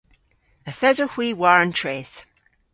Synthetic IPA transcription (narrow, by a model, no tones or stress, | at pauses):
əθɛzəhw̥iːwaɹə̃ntʰɹ̥eːθ